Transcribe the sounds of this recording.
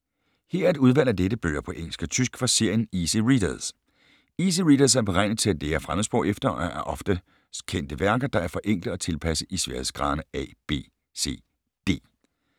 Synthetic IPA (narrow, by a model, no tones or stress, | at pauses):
he̝ɐ̰æɐed̥uð̞ˠʋæl̰æɐd̥eɾ̥əb̥øːɐpʰɒ̽ʔeŋ̰l̩sɡ̥ɒt͡sʰysɡ̥fɑ̈se̝ɐ̰jənisəʁid̥ɐðˠs | is̬əʁid̥ɐsæɐb̥eʁɑ̈ɪnð̩ˠt͡sʰe̝læd̥eæɐfʁamð̩ˠsb̥ʁɔʊefd̥ɐɒæɐʔɒ̽fd̥ə | kʰen̰d̥əʋæɐɡ̥ɐd̥ɑ̈æɐfɒ̽ʔeŋ̰ɡ̥ləɒ̽t͡sʰe̝lpʰæsəʔisʋæɐheð̩ˠsɡ̥ʁɑ̈ːnəɛ̰ːb̥e̝̰ː | se̝̰ː | d̥e̝̰ː